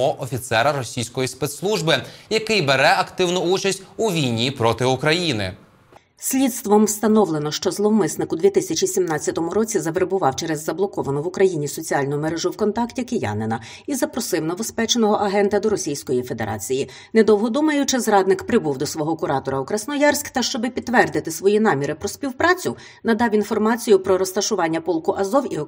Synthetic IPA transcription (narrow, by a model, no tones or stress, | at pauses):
ɔʔɔfʲit̪sɛɾɐɾɔsʲijsʲkɔjispɛt̪slˠuʒbɪjɐkɪjbeɾɛɐkt̪ɪwnɔut͡ʃɐsʲt̚ʲuʋʲijnʲipɾɔt̪ɪukɾɐjinɪ̰ | sʲlʲit̪st̪ʋɔmwst̪ɐnɔwlˠenɔʃt͡ʃɔzlˠɔmɪsnɪkʊd̪ʋʲit̪ɪsʲɐt͡ʃisʲimnɑt͡sʲːɐt̪ɔmʊɾɔt͡sʲizɐʋeɾbʊʋɑwt͡ʃɛɾɛzːɐblˠɔkɔʋɐnɔʋʊkɾɐjinʲisɔt͡sʲiɑlʲnʊmeɾɛʒʊwkɔnt̪ɑktʲikejɑ̰nenɐ | izɐpɾɔsɪwnɐbɔspɛt͡ʃenɔɦɔʔɐɦɛnt̪ɐd̪ɔɾɔsʲijsʲkɔjife̞d̪ḛɾʔɑ̰t͡sʲiji | nɛd̪ɔwɦɔd̪umɐjʊt͡ʃɪzɾɑd̪nɪkpɾɪbuwd̪ɔsʋɔɦɔkʊɾɑt̪ɔɾɐʊkɾɐsnɔjɑrsʲkt̪ɐʃt͡ʃɔbɪpʲit̪ːʋɛrd̪ɪt̪ɪsʋɔjinɑmʲiɾɪpɾɔsʲpʲiwpɾɑt͡sʲʊ | nɐd̪ɑwinfɔrmɑt͡sʲijʊpɾɔɾɔst̪ɐʃʊʋɑnʲːɐpɔlˠkʊʔɐzɔwi